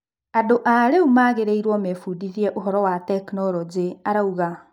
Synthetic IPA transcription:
adoʔaɾeumaɣeɾeiɾwɔmɛfudiðiɛʔoɦɔɾɔwatɛknɔɾɔd͡ʑeaɾauɣa

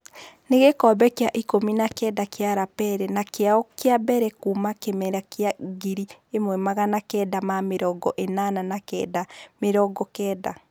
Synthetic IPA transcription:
neɣekɔbɛkjaʔikominakɛdakeaɾapɛɾɛnakeaɔkeabɛɾɛkumakemɛɾakjaɡiɾiemwɛmaɣanakɛːdamameɾɔɡɔʔenananakɛ̰dameɾɔɡɔkɛːda

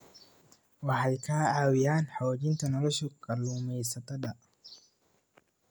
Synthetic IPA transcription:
waħajkʰaːaːwijaːnħawd͡ʒint̪ɐnɔlɔʃɔkɐlumɛjsɐt̪ɐɗa

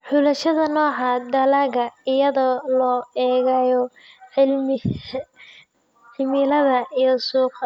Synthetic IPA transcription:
ħʊlɐʃɐðɐnɔːʕɑd̪ɐlaɣɐɪjɐðɔlɔːɛːɣajɔ | ɪlmɪ | ħɪmɪlɐðɐʔijɔsuːqʰ

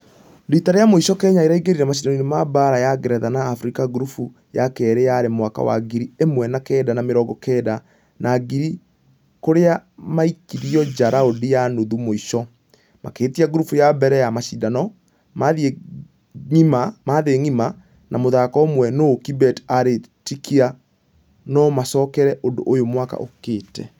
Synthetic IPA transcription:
ɾitaɾejamoiɕɔkɛːɲaiɾaiɡeɾiɾɛmaɕ̬idanɔinemabaɾajaɡɛɾɛðanaːfɾikaɡuɾufu | jakɛɾeaɾemwaka̰wa̰ɡiɾiemwɛnakɛdanameɾɔɡɔkɛːda | nʔaɡiɾi | koɾeamaikiɾiɔd͡ʑaɾaodijanoðumoiʃɔ | ma̰keːtiaɡɾufujabɛɾɛjamaʃidanɔ | maðie | ŋimamaðeŋima | nʔamoðakɔomwɛnokibɛtaɾetikʰia | nɔmasɔkɛɾɛʔondo̰ʔojomwaka̰ʔo̰keːtɛ

